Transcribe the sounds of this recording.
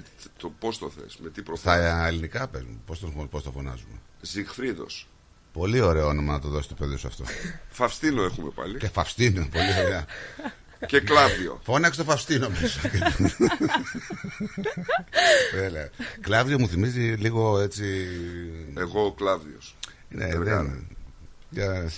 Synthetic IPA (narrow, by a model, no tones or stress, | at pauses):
t̪opost̪o̰θḛsmet̪ipɾoθɐelinikɐpezumepost̪onopost̪ofo̞nɐ̰zumḛ | zixfɾiðo̞̰s | po̞lio̞ɾe̞oonomɐnɐt̪oðo̞sist̪o̞peðiosɐ̰ft̪o̞̰fɐfst̪inoexumepɐ̰licefɐfst̪inopo̞lioɾeɐ | ceklɐvðio̰fo̞nɐkst̪ofɐfst̪ino̞misoke | ðeleɐklɐvðio̞muθimiziliɣo̞e̞t͡si | eɣoklɐvðios | nḛðen | cɐ